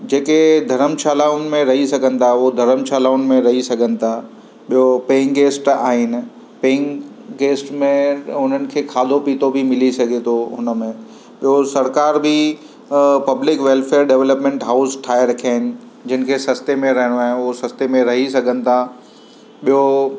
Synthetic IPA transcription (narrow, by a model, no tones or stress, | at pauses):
d͡ʑeːked̪ʱɐɾəmʃaːlaːʊnmẽɾɐɦisɐɡʱənɪ̆t̪ʰaʊod̪ʱɐɾəmʃaːlaːʊnmẽɾɐɦisɐɡʱənɪ̆t̪ʰa | ɓijopeːŋɡeːsʈa̰ːɦɪnɪ̆ | peːŋ | ɡeːsʈmẽʊn̤ənɪ̆kʰeːkʰaːd̪ʱopiːt̪obʱimɪlisɐɡʱet̪ʰoɦʊnəmẽ | ɓijosɐɾkaːɾbʱi | pɐblɪkʋeːlfʰeːəɾɖeʋləpmẽːɳʈɦaːʊsʈʰaːjɾɐkʰaːɪnɪ̆ | d͡ʑɪnɪ̆kʰesɐst̪emẽɾɐɦɪɽ̃oaːɦɪnɪʊosɐst̪emẽɾɐɦisɐɡʱənɪ̆t̪ʰa | ɓijo